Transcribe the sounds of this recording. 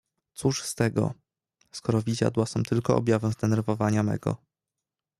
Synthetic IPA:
t̪suʂst̪ɛɡɔ̰ | skɔɾɔvʲid͡ʑa̰d̪wasɔ̃w̃t̪ʰɘlkɔʔɔ̰bʲjavɛzd̪ɛnɛɾvɔvaɲamɛ̰ɡɔ̰

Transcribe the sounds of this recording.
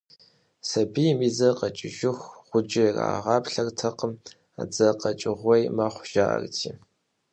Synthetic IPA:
sɐbimiːzɐqɐt͡ʃʼɪʒɪxχʷʊd͡ʒɪra̰ːʁɑːpɬɐrtʰɐqəm | a̰d͡zɐqɐt͡ʃʼɪʁʷɔjmaχʷʒ̥a̰ːʔɐ̰rtʰḭː

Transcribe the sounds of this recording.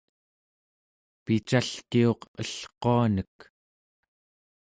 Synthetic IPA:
pit͡ʃaɬkio̞qəɬqoanək

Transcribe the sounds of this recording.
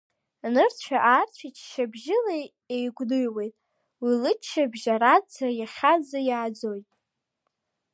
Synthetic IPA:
nɨrt͡ɕʷʰaʔaːrt͡ɕʷʰit͡ʃʰʃabʒɪle | ejɡʷdɨjwe̞jtʼ | wilɨt͡ʃʰːabʒaɾat͡sʰajaχʲad͡zajaːd͡zo̞jtʼ

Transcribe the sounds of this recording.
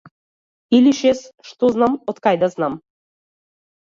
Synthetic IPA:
ilʲiʃesʃt̪oznamot̪kajd̪aznam

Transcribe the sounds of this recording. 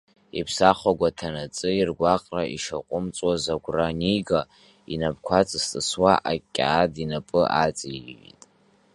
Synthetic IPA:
ipʰsaχʷaɡʷatʰanat͡sʼɨirɡʷaqʼraʔḭʂaqʷʼʊmt͡sʼwazaɡʷraniɡa | inabkʷʰat͡sʼst͡sʼɨswaʔakʲʼːa̰ːdinapʼɨʔat͡sʼiḭtʼ

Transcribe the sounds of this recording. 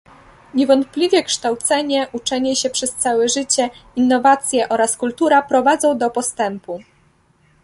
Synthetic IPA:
ɲɛvɔnt̪̚plʲivʲjɛkʂt̪awt̪sɛɲɛʔut͡ʂɛɲɛɕɛpʂɛst̪sawɛʐɘt͡ɕɛinːɔvat̪sʲjɛʔɔɾaskult̪uɾapɾɔvad̪zɔ̃w̃d̪ɔpɔst̪ɛmpu

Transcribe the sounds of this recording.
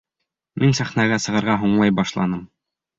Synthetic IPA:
minsæχnæɡæsɤ̆ʁɤ̆ɾʁɑɦuɴlˠɑjbɑʃlˠɑ̰nɤm

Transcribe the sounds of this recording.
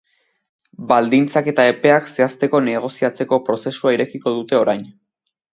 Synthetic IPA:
bald̪int͡sake̞t̪ae̞pe̞akse̞ast̪e̞ko̞ne̞ɣ̞o̞siat͡se̞ko̞pɾo̞se̞suaiɾe̞kiko̞ð̞ut̪e̞o̞ɾajn

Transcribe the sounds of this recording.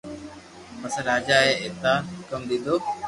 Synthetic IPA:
məsãːɾaːd͡ʒaːɦeːet̪aːkəmd̪ɪd̪oː

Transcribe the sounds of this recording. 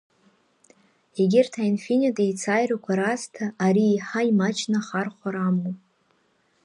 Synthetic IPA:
eɡʲɪrtʰainfinʲitʼejt͡sʰajrakʷʰaɾastʰaʔːɾiːħaimat͡ʃʰnaχarχʷaɾamopʼ

